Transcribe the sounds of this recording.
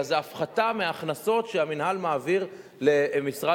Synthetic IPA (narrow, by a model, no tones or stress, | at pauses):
zeafχatameaχnaso̞tʃeaminɦalmaːviʁ | lemisʁa